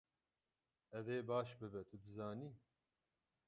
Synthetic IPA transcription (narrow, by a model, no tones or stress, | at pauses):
ɛveːbaːʃbɨbɛt̪ʰʊd̪ɨzaːniː